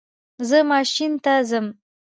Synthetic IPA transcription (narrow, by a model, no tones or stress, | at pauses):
zəmɑʃint̪azəm